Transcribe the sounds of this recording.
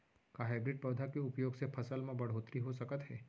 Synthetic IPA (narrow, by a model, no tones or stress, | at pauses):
kaɦajbɾɪʈ̚pəʋd̪ʱakeʊpjoːɡsepʰəsəlmãbəɽ̤ɦoːt̪ɾiɦosəkət̪ɦɛː